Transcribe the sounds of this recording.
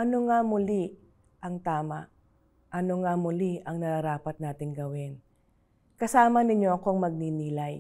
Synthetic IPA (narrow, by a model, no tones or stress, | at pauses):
ʔɐno̞ŋamʊli | ʔɐŋt̪aːmaʔ | ʔɐno̞ŋamʊliʔɐŋnɐɾɐɾaːpɐt̪̚naːt̪ɪŋɡɐwɪn | kɐsaːmɐnɪɲjo̞ʔɐko̞ɐŋmɐɡ̚niniːlaj